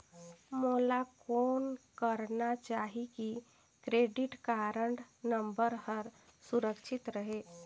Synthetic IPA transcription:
moːlakoːnkəɾnat͡ʃaːɦiki | kɾeːɖɪʈkaɾəɳɖnəmbəɾɦəɾsuɾəkʃʰɪt̪ɾəɦe

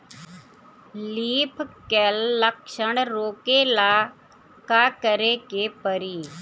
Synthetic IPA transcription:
liːpʰkɛlːəkʃəɳɾoːkeːlaː | kaːkəɾeːkeːpəɾiː

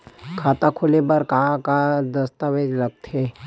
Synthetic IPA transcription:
kʰaːt̪akʰʊlebɐɾkɐɦãkad̪ɐst̪aʋeːd͡ʒlɐɡ̚t̪ɦeː

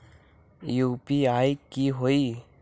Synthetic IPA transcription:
juːpiaːikiɦoːiː

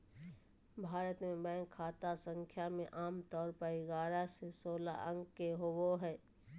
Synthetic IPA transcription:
bʱaːɾət̪mẽbɛ̃ːŋkʰaːt̪asə̃ŋkʰjamẽʔaːmt̪ɔːɾpəiɡaːɾasesoːla̰ʔə̃ŋɡkeɦowoɦɛː

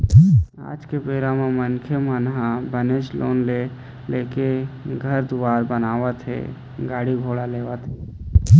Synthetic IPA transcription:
a̰ːd͡ʒkepeːɾamẽmənkʰemənɦãbənet͡ʃlʔo̰ːnle | leːkeɡʱəɾd̪ʊʋaːɾbənaːʋət̪ɦḛː | ɡaːɽiɡʱoːɽaleːʋət̪ɦeː

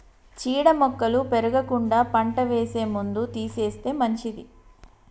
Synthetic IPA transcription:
t͡ʃiːɽɐmɔkːɐlupeɾuɡɐkuɳɖaːpɐɳʈɐʋeːse̞ːmund̪ut̪iːse̞ːst̪e̞ːmɐɲt͡ʃid̪i

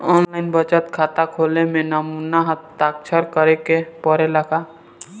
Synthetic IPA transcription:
ɔːnlaɪnbət͡ʃət̪kʰat̪akʰoːlemẽnəmunaɦət̪ːak̚t͡ʃʰəɾkəɾekepəɾeləka

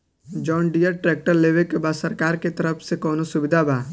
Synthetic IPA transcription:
d͡ʒɔːɳɖijəɾʈɾeːk̚ʈəɾleːʋekebaːsɐɾkaːɾket̪ɐɾəpʰsekɔːnosʊbɪd̪ʱabaː

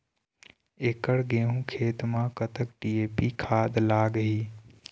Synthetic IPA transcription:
eːkəɽɡeːɦũːkʰeːt̪mãkət̪əkʈiːeːpikʰaːd̪laːɡɦiː

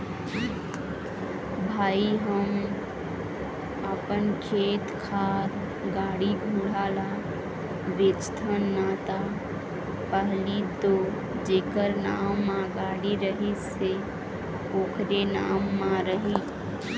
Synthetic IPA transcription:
bʱaːiɦəm | əpənkʰeːt̪kʰaːɾ | ɡaːɽiɡʱuːɽaːla | ʋeːt͡ʃt̪ʰənːaːt̪a | pəɦlit̪o | d͡ʒeːkəɾnaːmːãɡaːɽiɾəɦɪse | oːkʰɾenaːmːãɾəɦi

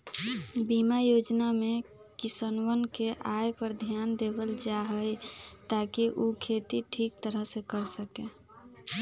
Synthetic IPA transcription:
bimajod͡ʒnamekisənwənkeʔajpəɾd̪ʱjand̪ebəld͡ʒaɦəjt̪akiʔukʰet̪iʈʰik̚t̪əɾəɦsekəɾsəkẽ

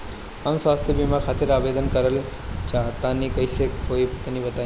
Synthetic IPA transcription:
amswaːst̪ʰjəbimãkʰaːt̪ɪɾaːbeːd̪ənkəɾəl | t͡ʃaːt̪ãːnikɐisekoːipɐt̪nibɐt̪aː

